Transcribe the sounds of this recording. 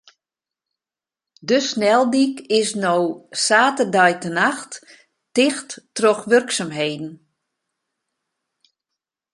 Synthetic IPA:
dəsnɛlˠdikɪsnowsaːtərdœjtənaxtː | ɪxtːroxʋørksamɦeːdn̩

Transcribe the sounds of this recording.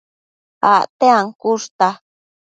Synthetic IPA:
a̰ʔt̪eaŋkuʂt̪a

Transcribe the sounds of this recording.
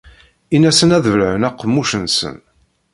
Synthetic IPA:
inæsənæðvəlʕənæqːəmːuʃənsə̰n

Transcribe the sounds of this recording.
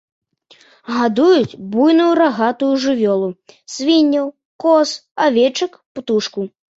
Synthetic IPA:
ɣad̪ujut͡sʲbujnujuɾaɣat̪ujuʐɨvʲɔlˠusvʲinʲːɐw | kɔsavʲɛt͡ʂɐkpt̪uʂku

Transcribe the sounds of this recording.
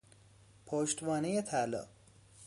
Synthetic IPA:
pʰoːʃt̪bɒːnejet̪ʰælɒ̰ː

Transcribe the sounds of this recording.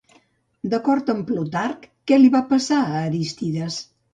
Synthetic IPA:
d̪əkɔɾt̪əmplut̪arkːɛliβapəsaəːɾist̪iðəs

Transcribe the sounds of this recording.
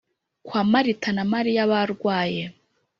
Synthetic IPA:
kwaːmaɾitanamaɾijaβaɾɡwaːje

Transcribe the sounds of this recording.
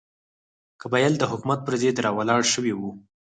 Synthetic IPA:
kəbajald̪əɦʊkumat̪̚pəɾzed̪ɾɑwalɑɽʃəwewu

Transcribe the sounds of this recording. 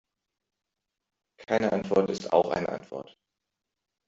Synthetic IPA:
kʰaɪnəʔantv̥ɔɐtɪsta̰ʊxʔa̰ɪnə̰ʔa̰ntv̥ɔ̰ɐt

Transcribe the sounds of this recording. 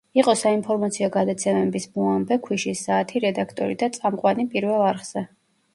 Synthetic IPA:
iqʼɔsainpʰɔɾmat̪sʰiɔɡad̪at̪sʰɛmɛbismuambɛkʰwiʃisːaːt̪ʰiɾɛd̪akʰt̪ʼɔ̰ɾid̪at̪sʼamqʼwanipʼiɾvɛlˠaɾχz̥ɛ

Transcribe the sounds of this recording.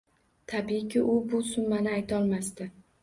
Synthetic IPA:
t̪ʰabikʲɪʔʊbʊsʊnmanɪajt̪ʰaɒlˠmast̪ɪ

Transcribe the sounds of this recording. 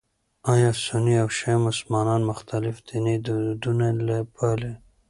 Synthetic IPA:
ɑjɑsʊniawʃamʊslmɑnɑnmʊxt̪alɪfd̪̥ined̪ud̪unalabale

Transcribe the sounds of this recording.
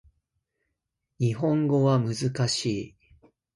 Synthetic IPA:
ɲʲiɦõ̞ŋɡo̞βamɯ̟zɨkaɕiː

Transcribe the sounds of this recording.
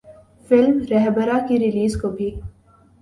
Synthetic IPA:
fɪlmɾɛɦbəɾakiɾɪliːzkobʱi

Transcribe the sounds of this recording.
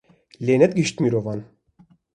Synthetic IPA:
lʲenɛt̪̚ɡiʃt̪miɾovɑn

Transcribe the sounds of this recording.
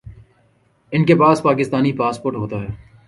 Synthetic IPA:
ɪnkepaːspaːkɪst̪aːnipaːspoːɾʈɦoːt̪aɦɛː

